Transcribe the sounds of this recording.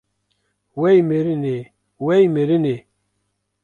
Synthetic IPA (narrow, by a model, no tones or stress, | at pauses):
wejmeɾine | wejmeɾine